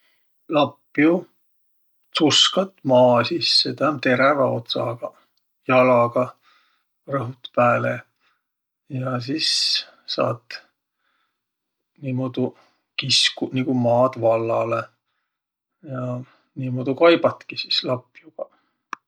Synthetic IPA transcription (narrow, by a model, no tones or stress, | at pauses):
lɑpːju | suskɑt̪ːˑmɑːsisːet̪æt̪e̞ɾevɑo̞̰t̪sɑ̰ɡ̥ɑ | jɑlɑɡ̥ɑ | rɤɦut̪pæːle | jɑs̬is | sɑ̰ːt̪ | niːmod̪̥u | kiskuniɡ̥umɑːd̪vɑlːɑ̰le | jɑ | niːmod̪ukɑjb̥ɑt̪kisislɑpːjuɡ̥ɑ